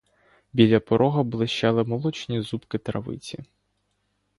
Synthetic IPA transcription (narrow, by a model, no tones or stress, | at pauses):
bʲilʲɐpɔɾʔɔɦɐbʊlˠɪʃt͡ʃɛlˠɪmɔlˠɔt͡ʃnʲizupkɪt̪ɾɐʋɪ̰t͡sʲi